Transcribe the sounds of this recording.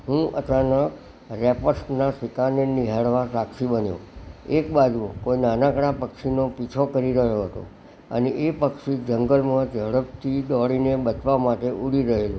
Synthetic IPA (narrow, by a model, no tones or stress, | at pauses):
ɦũʔə̰t͡ʃanək | ɾɛpəɾsnasʋikaneniɦaɽʋasakʃibənjõ̰ekbad͡ʒukoinanãkɽ̃apəkʃinopit͡ʃʰokəɾiɾəɦjoɦət̪o̰ | ə̰neʔepəkʃid͡ʒəŋɡəlmãd͡ʒəɽəb̚t̪ʰid̪ɔɭinebət͡ʃʋamaʈeʔuɽiɾəɦelũ